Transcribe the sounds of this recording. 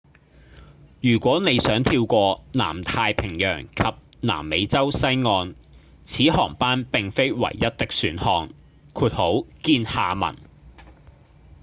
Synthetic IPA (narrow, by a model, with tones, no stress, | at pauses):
jyː˨˩kʷɔː˨˥ne˨˧jsœː˨˥ŋt̪ʰiː˧wkʷɔː˧na̰ː˨˩mt̪ʰaː˧jpʰɪ˨˩ŋjœ̰ː˨˩ŋkʰɐ˨p̚ | na̰ː˨˩mːe˨˧jt͡sɐ˥wsɐ˥jŋɔː˧n | t͡sʰiː˨˥hɔː˨˩ŋpaː˥npɪ˨ŋfe˥jwɐ̰˨˩jːɐ˥t̚t̪ɪ˥k̚syː˨˥nhɔː˧ŋ | kʰuː˧t̚ho˨˥wkiː˧nhaː˨mɐ̰˨˩n